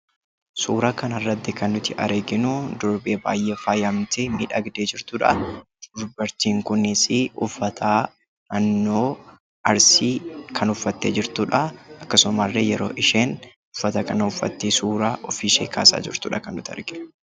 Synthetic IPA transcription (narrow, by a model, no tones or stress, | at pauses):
suːɾaːkɐnɐrːɐt̪ːɪkɐnːʊt̪ɪʔɐ̰ɾʔeɡɪnʊd̪ɔɾbeːba̰ːjʔeːfaːjɐmt̪eːmḭːᶑɐɡd̪eːd͡ʒɪɾt̪uːᶑɐ̰dʊɾbɐɾt̪iːŋkʊnɪsɪʔʊfːɐt̪ʰaː | nɐnːoː | ɐɾsiːkʰɐnʊfːɐt̪ːeːd͡ʒɪɾt̪uːᶑɐɐkːɐsʊmarːeːjɛɾo̞̰ːʔɪʃeːn | ʊfːɐt̪ɐkɐnɐʊfːɐ̰t̪ːisuːɾaːʔɔfiʃeːkʰa̰ːsa̰ːd͡ʒɪɾt̪ʊːᶑɐkɐnːʊt̪ɪɐ̰ɾɡɪnʊ̥